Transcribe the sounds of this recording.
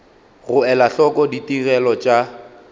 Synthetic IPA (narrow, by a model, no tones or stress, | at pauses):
ɣʊɛlaɬɔkɔditiɣɛlɔt͡ʃʼa